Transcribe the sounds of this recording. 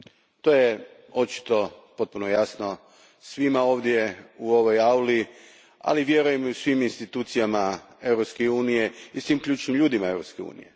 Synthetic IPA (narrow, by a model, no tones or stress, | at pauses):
t̪o̞je | o̞t͡ʃi̥t̪o̞po̞t̪̚punojasno̞ | sʋimao̞ːʋd̪je̞uo̞ʋo̞jawli | a̰liʋje̞ɾujemiusʋiminst̪it̪uːt̪sijama | e̞wɾopskeuːnije̞isʋimklʎʲuːt͡ʃnimʎuːd̪imae̞wɾopske̞ṵːnḭje